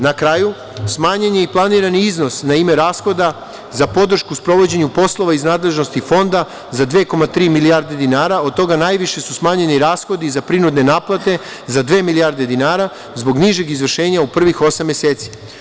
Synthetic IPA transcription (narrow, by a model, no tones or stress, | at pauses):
nakɾaːju | smaːɲeɲeiplˠaniːɾaniizno̞snaime̞ɾaːsxo̞d̪a | zapo̞d̪r̩ʃkuspɾo̞ʋo̞d͡ʑe̞ɲupo̞slˠo̞ʋaiznaːd̪le̞ʒno̞st̪ifo̞nd̪a | zad̪ʋe̞ːko̞mat̪ɾiːmilijaɾd̪e̞d̪inaːɾao̞d̪̚t̪o̞ɡanaːjʋiʃe̞susmaːɲe̞niɾaːsxo̞d̪izapɾinud̪ne̞naːplˠat̪e̞ | zad̪ʋe̞ːmilijaɾd̪e̞d̪inaːɾa | zbo̞ɡniʒe̞ɡizʋr̩ʃe̞ːɲaupr̩ʋixo̞samːjese̞ːt̪si̥